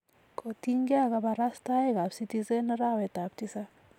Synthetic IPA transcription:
kʰotiŋɡeakabaɾastaekapsitisenəɾawɛtap̚tisa

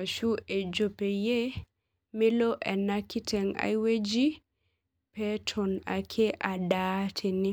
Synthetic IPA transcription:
aʃuɛd͡ʒopɛjɛ | milɔʔɛnakːitɛŋa̰jwed͡ʒi | pɛtʰɔna̰kʰɛʔadatʰɛni

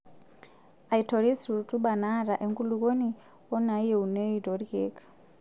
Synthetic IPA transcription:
aitʰoɺisuutʰʼuɓanaɾaʔɛŋkʼuluk̬oni | wɔnaijɛunɛitoɾikɛːkʰʼḁ

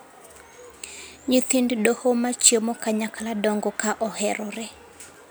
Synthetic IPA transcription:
ɲit̪inddohomat͡ʃjomɔkaɲakaladɔŋɡɔkaʔɔhɛɾɔɾɛ

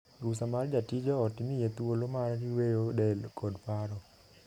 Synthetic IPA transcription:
ɡusamard͡ʒatid͡ʒɔɔtimijet̪uolomarɾiwejodɛlkɔdpaɾɔ

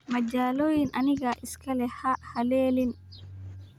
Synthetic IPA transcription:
mɐt͡ʃaːlɔːjɪnʔɐnɪɣɐʔɪskʰɐlɛhɐhɐlɛːlɪn

